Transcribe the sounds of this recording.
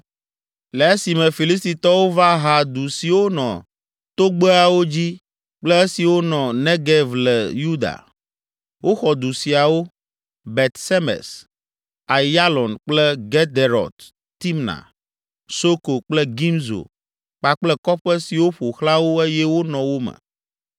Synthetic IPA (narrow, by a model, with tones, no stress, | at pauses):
le˨e˦si˨mɛ̃˨fi˨li˦st̪i˨t̪ɔ˦wo˦va˦ɦa˨d̪u˨si˨wo˦nɔ̰̃˨ | t̪o˦ɡ͡be˦a˨wo˦d͡ʑi˦ | k͡plɛ˦e˦si˨wo˦nɔ̃˨nɛ̃˦ɡɛ˦vlɛ̰˨ju˦d̪a̰˨ | wʔo˦xɔ˨d̪u˨si˨a˨wo˦ | bɛ˨t̪sɛ˦mɛ̰˨s | a˨ja˦lɔ˨nk͡plɛ˦ɡɛ˦d̪e˨ɾɔ̰˨d̪ | t̪i˦mnã̰˨ | so˦ko˨k͡plɛ˦ɡi˦mzo̰˨ | k͡pa˨k͡plɛ˦kɔ˦ɸɛ˦si˨wo˦ɸo˨xla˦wo˦e˦jɛ˦wo˦nɔ̃˨wo˦mɛ̰˨